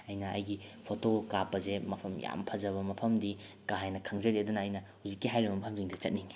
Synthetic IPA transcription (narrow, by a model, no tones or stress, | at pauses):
ɐjnɐɐ̰jɡipʰotokapɐzemɐpʰɐmja̰mpʰɐzɐβɐmɐpʰɐmdikaɦajnɐkʰaŋzɐɾedunɐːjnɐhuzikːiɦajɾibɐmɐpʰɐmziŋdɐt͡ʃɐt̚niŋ